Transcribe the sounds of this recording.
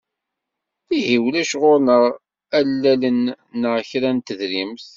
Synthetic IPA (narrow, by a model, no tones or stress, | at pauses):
θihiwlæʃʁʊɾnəʁ | ælːælənː | əʁçɾænt̪əðɾimθ